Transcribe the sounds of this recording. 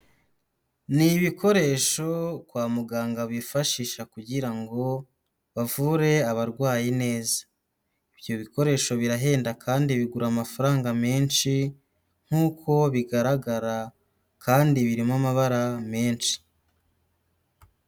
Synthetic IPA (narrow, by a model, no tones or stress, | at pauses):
niβikʰo̞ɾe̞ʃo̞kwaːmuɡaːŋɡaβifaʃiʃakuɟiɾaŋɡo̞ | βavuːɾe̞aβaɾɡwaːjine̞ːzḁ | ibjo̞βiko̞ɾe̞ːʃo̞βiɾaɦe̞ːndakʰaːndiβiɡuɾaːmafaɾaːŋɡameːnʃi | ŋ̥huːkʰo̞βiɡaɾaɡaɾa | kaːndiβiɾimamaβaɾameːnʃi̥